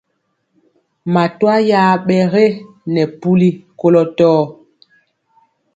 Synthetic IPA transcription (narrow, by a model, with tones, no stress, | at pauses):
ma˨twa˦jaː˦ɓɛ˨ɣe˦ | nɛ˨pu˦li˦ko˦lɔ˦tɔː˦